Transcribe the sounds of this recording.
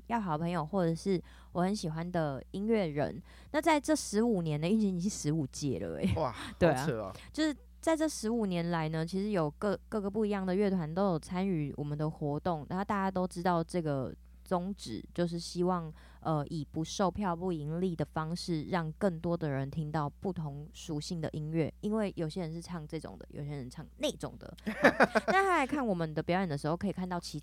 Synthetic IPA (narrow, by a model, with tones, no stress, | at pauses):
jɑ˥˩ʊxɑ˨˩˦pʰə˧˥ŋjo˨˩ʊxwɔ˥˩ʈ͡ʂə˨˩ʂɻ̩˥˩ | wɔ˨˩xə˧˦nɕi˨˩xwa˦nd̪ə˨i˥nɥɛ˥˩ɻə̰˧˥n | na˥˧t͡sa˥˧ɪʈ͡ʂɤ˥˩ʂɻ̩˧˥u˨˩njɛ˧˦nd̪ə˧y˥˩nt͡ɕi˧˥ni˨˩ʂi˥˩ʂɻ̩˧˥u˨˩t͡ɕjɛ̰˥˩lə̰˩ḛ˨˩ɪ˨˩t̪we˥˩ɪ˨˥˩t͡ɕjo˥˧ʊʂɻ̩˥˩ | t͡sa˥˧ɪʈ͡ʂɤ˥˩ʂɻ̩˧˥u˨˩njɛ˧˥nla˧˥ɪnə˧t͡ɕʰi˧˥ʂɻ̩˧˥jo˨˩ʊkɤ˥˧kɤ˥˩ɡə˨˩pu˥˩i˧˥jɑ˥˩ŋd̪ə˩ɥɛ˥˩t̪ʰwa˧˦nt̪o˥ʊjo˨˩ʊt͡sʰa˥ny˧˥wʔɔ̰˨˩mə˨˦nd̪ə˩xwɔ˧˥t̪ʊ˥˩ŋna̰˧˦˥o˥˧t̪a˥˩t͡ɕja˥t̪o˥ʊʈ͡ʂɻ̩˥t̪ɑ˥˧ʊʈ͡ʂɤ˥˩ɡə˩ | t͡sʊ˥ŋʈ͡ʂɻ̩̰˨˩t͡ɕjo˥˧ʊʂ̬ɻ̩˥˩ɕi˥wɑ˥˩ŋ | ʔə˧ʔi˨˩pu˧˥ʂo˥˧ʊpʰjɑ˥˨˧ʊpu˥˩i˧˥ŋli˥˩d̪ə˩fɑ˥ŋʂɻ̩˥˧ɻɑ˥˧ŋkə˥˩ŋt̪wɔ˥d̪ə˨ɻə˧˦nt̪ʰi˥ŋt̪ɑ˥˧ʊpu˥˩t̪ʰʊ˧˥ŋʂu˧˥ɕi˥˩ŋd̪ə̰˨ʔi˦˥nɥɛ˥˩i˥nwe˥˩ɪjo˨˩ʊɕjɛ˥ɻə˧˥nʂɻ̩˥˧ʈ͡ʂʰɑ˥˧ŋʈ͡ʂɤ˥˩ʈ͡ʂʊ̰˨˩ŋd̪ə̰˦jo̰˨˩ʊɕjɛ˥ɻə˧˦nʈ͡ʂʰɑ˥˩ŋne˥˩ɪʈ͡ʂʊ̰˨˩ŋd̪ə̰˩˥˩na˥˩xʰa˥a˧˥ɪkʰa˥˩nwɔ˨˩mə˦nd̪ə˩pjɑ˧˥ʊjə˨˩nd̪ə˩ʂ̩˧˥xo˥˧kʰɤ˧˥i˨˩kʰa˥˧nt̪ɑ˥˩ʊt͡ɕʰi˧˥